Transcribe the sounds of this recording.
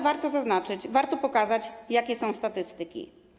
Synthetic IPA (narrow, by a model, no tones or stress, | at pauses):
vaɾt̪ɔzaznat͡ʂɘt͡ɕvaɾt̪ɔpɔkazat͡ɕjakʲɛsɔ̃w̃st̪at̪ɘst̪ɘkʲḭ